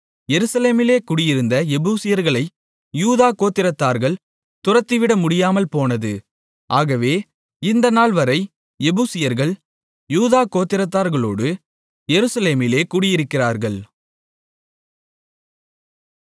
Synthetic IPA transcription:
jɛɾɯsɐleːmɪleːkʊɽɪjɪɾɯnd̪ɐɛbuːsɪjɐɾɣɐɭɐɪ | juːðaːkoːt̪ːɪɾɐt̪ːaːɾɣɐɭ | t̪ʊrɐt̪ːɪʋɪɽɐmʊɽɪjaːmɐlpoːnɐðɯ | ʔaːɣɐʋeː | ɪnd̪ɐnaːɭʋɐɾɐɪ | ɛbuːsɪjɐɾɣɐɭ | juːðaːkoːt̪ːɪɾɐt̪ːaːɾɣɐɭoːɽɯ | jɛɾɯsɐleːmɪleːkʊːɽɪjɪɾɯkːɪraːɾɣɐɭ

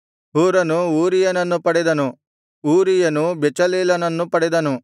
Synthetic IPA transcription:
ɦuːɾɐnuuːɾijɐnɐnːupɐɽɛd̪ɐnu | uːɾijɐnubɛt͡ʃɐleːlɐnɐnːupɐɽɛd̪ɐnu

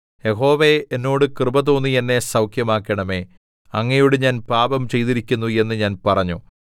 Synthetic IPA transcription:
je̞ɦo̞ːʋeenːo̞ːɽɨkrɨbɐt̪oːnːijɐnːe̞sɐwkʰjɐmaːkːɐɳɐme̞ː | ɐŋːɐjuɽeɲaːnpaːbɐmt͡ɕe̞jt̪iɾikʲːunːue̞nːɨɲaːnpɐrɐɲːṵ

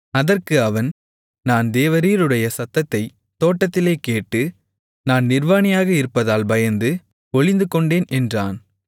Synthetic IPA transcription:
ɐðɐrkɯɐʋɐn | naːnd̪eːʋɐɾiːɾɯɽɐjɐsɐt̪ːɐt̪ːɐɪ | t̪oːʈːɐt̪ːɪleːkeːʈːɯ | naːnnɪrʋaːnɪjaːɣɐɪɾɯpːɐðaːlbɐjɐnd̪ɯ | ɔɻɪnd̪ɯkɔɳɖeːnʔɛndraːn

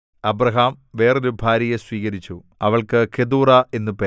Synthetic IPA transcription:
ɐbrɐɦaːmʋe̞ːroɾubʱaːɾjɐjeswiːkɐɾit͡ɕːu | ɐʋɐɭkɨkʰed̪uːrɐe̞nːupe

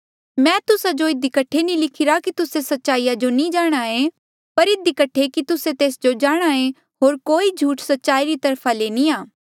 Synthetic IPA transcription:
mɛ̃ːt̪ʊsad͡ʒoɪd̪ikɐʈʰːenĩlɪkʰɪɾakit̪ʊsesɐtːʃaːijad͡ʒonĩd͡ʒaːɽ̃aẽ | pɐɾɪd̪ʱikɐʈʰːekit̪ʊset̪eːsd͡ʒod͡ʒaːɽ̃ae | ɦoːɾkoːid͡ʒʱuːʈsɐtːʃaːiɾit̪ɐɾpʰaleːnĩaː

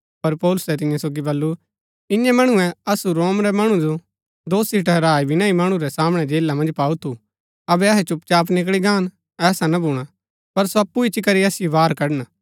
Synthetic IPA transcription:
pɐɾpɔːlʊsɛt̪ɪ̃jãsoːɡibɐlːu | ɪ̃jɛ̃mɐɽ̃uɛ̃ɐsuɾoːmɾɛmɐɽ̃ud͡ʒo | d̪oːsiʈɛɾaːibʱinãːĩmɐɽ̃ũɾɛsaːmɽ̃ɛd͡ʒeːlːamɐ̃nd͡ʒpaːut̪ʰu | ɐbɛɐɦɛt͡ʃʊp̚t͡ʃaːpnɪk̬ɭiɡaːn | ɛːsanabʱuːɽ̃a | pɐɾsoɐpːuɪt͡ʃikɐɾiɐsɪjobaːɾkɐɽna

